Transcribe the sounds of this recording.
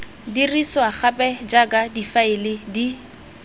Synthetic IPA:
diriswaχapʼɛd͡ʒakʼadifaɪlɪdi

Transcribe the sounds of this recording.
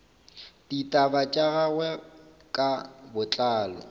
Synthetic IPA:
ditʼabat͡ʃʼaɣaɣwɛ | kʼabʊt͡ɬʼaːlɔ̰

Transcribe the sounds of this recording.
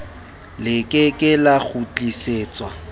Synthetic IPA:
lɪkʼɪkʼɪlaɣut͡ɬʼiseːt͡sʼwa

